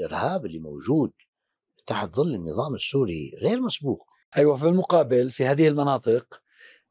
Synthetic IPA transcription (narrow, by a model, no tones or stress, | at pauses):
lʔɪ̰ɾhaːbɪlːimowʒuːd̪̚ | t̪aːħt̪ðˤɨlːɪnːɨ̰ðˤɑːmɪsːuːɾḭɣeːɾmasbuːq̚ | ʔajwafilmʊqɑːbɪlfihaːðɪhɪlmɑnɑːt̪ˤɨq